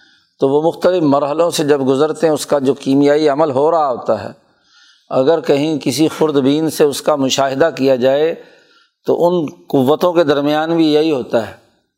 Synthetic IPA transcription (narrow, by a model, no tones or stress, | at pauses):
t̪oʋomʊxt̪əlɪfmɐɾɦəlõsed͡ʒɐbɡʊzəɾt̪eɦɛ̃ʊskad͡ʒoːkiːmɪjaːiɐməlɦoɾaɦaɦoːt̪aɦɛ̰ː | ɐɡəɾkɐɦĩkɪsixʊɾd̪biːnseʊskamʊʃaːɦɪd̪akijad͡ʒaːe | t̪o̰ʔʊnqʊʋːət̪õked̪ɐɾmɪjaːnbʱijɐɦiɦoːt̪aɦɛː